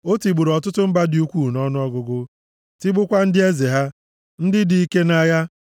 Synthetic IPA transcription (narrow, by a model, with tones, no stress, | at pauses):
o˦ti˨ɡ͡bu˨ɾɔ˨tʊ˦tʊ˦m̩˦ba˦di˦u˦kʷuː˦˨nɔ˦nʊ˦ɔ˦ɡʊ˨ɡʊ˦ | ti˦ɡ͡bʊ˦kʷa˦n̩˦dɪ˦e˦ze˨ɦa˦ | n̩˦dɪ˦di˨i˦ke˦na˦ja˦